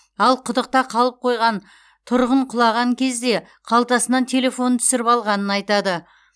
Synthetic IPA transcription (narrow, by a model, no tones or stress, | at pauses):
ɑlˠqʰʊd̪əq̚t̪ɑqʰɑlˠəp̚qʰo̞jʁɑn | t̪ʰʊɾʁəɴqʰʊlˠɑʁɑŋkʲʰe̞zd̪e̞ | qʰɑlˠt̪ɑsənɑnt̪ʰe̞le̞fo̞nt̪ʰʏ̥sɪɾɪpɑlˠʁɑnənɑjt̪ɑd̪ə